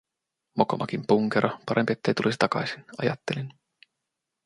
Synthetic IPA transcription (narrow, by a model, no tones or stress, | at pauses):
mokomʔɑkimpuŋkeɾʔɑpɑɾempiet̪ːe̞jt̪ulisi̥t̪ɑkɑjsinɑ̰jɑ̰t̪ːe̞lin